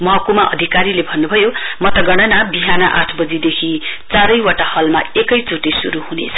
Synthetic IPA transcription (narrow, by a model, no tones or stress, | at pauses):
mʌɦʌkumaʔʌ̰d̪ʱikaɾilebʱʌnːubʱʌjomʌt̪ʌɡʌɽ̃ʌnabiɦanʌʔa̰ʈʰbʌd͡zid̪ekʰit͡saɾʌjwaʈahʌlma̰ekʌjt͡suʈesuɾuɦunḛt͡sʰʌ̥